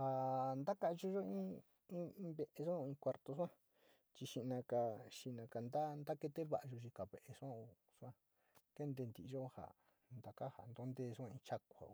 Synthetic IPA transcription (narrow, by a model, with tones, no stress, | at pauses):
ha˨nd̪a˦ka˦˧ʒo˧ʒo˦ĩ˦ | ĩ˦˧˦βe˧ʔe˧s̬ã˦o˧ĩː˧kʷa˧ɾt̪o˧sã˦ | t͡ʃi˧ʃi˧nã˧ka˧ʃi˧nã˧ka˧˨nd̪a˦nd̪a˦ke˧t̪e˦βa̰˧˨ʔa˧ʒo˧ʃi˧ka˨βe˨ʔe˧ʂã˦o˧ | ʂã˦ | ke˦nd̪e˧nd̪i˨˧ʒo˦ha̰˨ | nd̪a˨ka˦ha̰˨nd̪o˧˦nd̪e˧sʷã˧ĩ˧t͡ʃa˦kʷa̰˨o˧